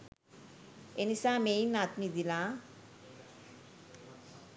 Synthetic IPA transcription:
enisamejnat̪mid̪ila

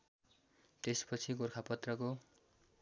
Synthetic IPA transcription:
t̪espʌt͡sʰikorkʰapʌt̪rʌko

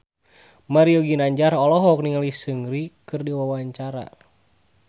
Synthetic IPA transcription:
maɾiɔɡinaɲd͡ʒarɔlɔɦɔk̚niŋalisɨŋɾikɨrdiwawaɲt͡ʃaɾa̰

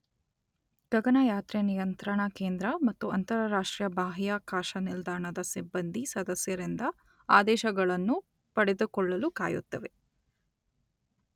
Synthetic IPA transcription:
ɡ̥ɐɡɐnɐjaːt̪ɾenijɐnt̪ɾɐɳɐkeːnd̪ɾɐmɐt̪ːuɐnt̪ɐɾɐɾaːʂʈɾijɐbaːɦjaːkaːʃɐnild̪aːɾɳɐd̪ɐsibːɐnd̪isɐd̪ɐsjɐɾind̪ɐ | aːd̪ɛːʃɐɡɐɭɐnːu | pɐɽed̪ukɔɭːɐluka̰ːjṵt̪ːɐʋe̞

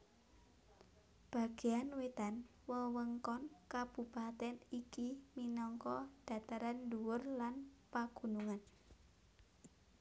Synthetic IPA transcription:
b̥a̤ɡ̥e̤janwet̪an | wəwəŋkɔnkab̥ṳpat̪ɛnikiminɔŋkɔd̥a̤t̪aɾanduwʊrlanpaɡ̥ṳnuŋan

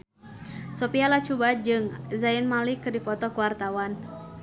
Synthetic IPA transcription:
sɔpialat͡ʃubad͡ʒɨŋzainmalikɨdipɔt̪ɔkuwart̪awan

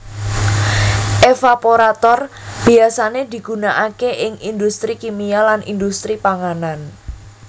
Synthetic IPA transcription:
ʔefapoɾat̪ɔrb̥i̤asaned̪̥i̤ɡ̥unaʔakeʔɪŋind̪ust̪ɾikimialanḭnd̪ust̪ɾipaŋanan

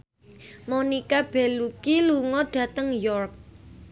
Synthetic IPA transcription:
monikab̥ɛlukiluŋɔɖ̥ä̤t̪əŋjɔrk̚

